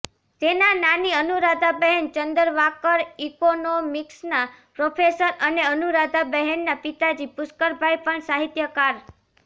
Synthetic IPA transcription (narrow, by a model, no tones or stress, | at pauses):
t̪enananiənuɾad̪ʱabɛɦɛnt͡ʃənd̪əɾʋakəɾikonomiksnapɾofʰesəɾəneənuɾad̪ʱabəɦenːapit̪ad͡ʒipʊskəɾbʱajpəɳsaɦit̪jəkaɾ